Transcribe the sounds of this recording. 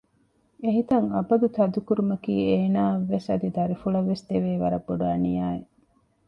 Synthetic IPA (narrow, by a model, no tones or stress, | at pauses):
eɦit̪ɐŋɐbɐd̪ut̪ɐd̪ukuɾumɐkḭːeːnaːʋːesɐd̪id̪ɐɾifuɭɐʋːest̪eʋeːʋɐɾɐbːoɖuaːnijaːe